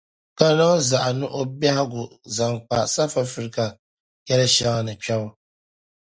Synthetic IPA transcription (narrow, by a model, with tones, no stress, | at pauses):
ka˦na˦za˨ʔa˨nʊ˦ʔo˦ba˦ha˦ɡʊ˨za˨ŋk͡pa˨sa˦fa˦fɨ˦ɾɨ˦ka˨ | kɛ˦lɨ˦ʃa˦ŋa˦nɨ˨t͡ʃɛ˦bʊ˦